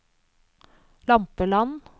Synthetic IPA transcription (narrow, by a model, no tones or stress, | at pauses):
lɑmpəlɑn